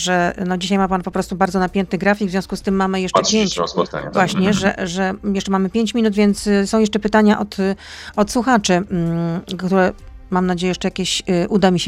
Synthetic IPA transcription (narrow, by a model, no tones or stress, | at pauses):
ʐɛnɔd͡ʑiɕajmapanpɔpɾɔst̪ubaɾd̪zɔnapʲjɛnt̪ɘɣɡɾafʲikɡvzʲjɔ̃wskust̪ɘmːamɘjɛʂt͡ʂɛpʲjeɲt͡ɕa̰vwaɕɲɛʐɛ̰ʐɛjɛʂt͡ʂɛmamɘpʲjeɲt͡ɕmʲinut̪vʲjɛnt̪ssɔ̃w̃jɛʂt͡ʂɛpɘt̪aɲaʔɔt̪ɔt̪swuxat͡ʂɘ | kt̪uɾɛmamnad͡ʑejɛjɛʂt͡ʂɛjakʲeɕʔud̪amʲiɕ